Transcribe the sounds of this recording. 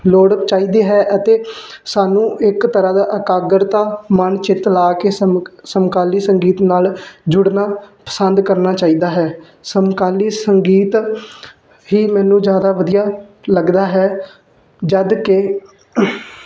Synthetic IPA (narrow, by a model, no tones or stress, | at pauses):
loːɽt͡ʃaːiːd̪eːɦɛːʔət̪eːsaːnũːʔɪkt̪əɾãːd̪aːʔəkaːɡəɾt̪ãːmənt͡ʃɪt̪laːkeːsəmkaːliːsəŋɡiːt̪naːld͡ʒʊɽnaːpə̥sənd̪kəɾnaːt͡ʃaːiːd̪aːɦɛː | səmkaːliːsəŋɡiːt̪ | ɦiːmɛ̃ːnũːd͡ʒjaːd̪aːʋəd̪ijaːləɡd̪aːɦɛː | d͡ʒəd̪kɪ